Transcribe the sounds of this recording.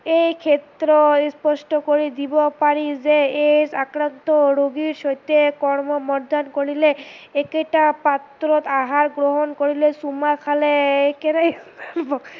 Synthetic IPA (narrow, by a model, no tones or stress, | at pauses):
ejkʰet̪ɾɔspɔsʈɔkoɹid̪ibɔpaɹizeesakɾant̪ɔɾoɡiɾʃɔjt̪ekɔɹmɔmɔɾd̪ankoɹileekeʈapat̪ɾɔt̪aɦaɾɡɾoɦɔnkoɹilesumakʰaleekenajzaɾbɔ